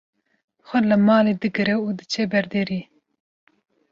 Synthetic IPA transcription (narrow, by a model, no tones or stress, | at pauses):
xʷɛlɨmɑːleːd̪ɨɡɨɾɛud̪ɨt͡ʃʰebɛɾd̪eːɾiː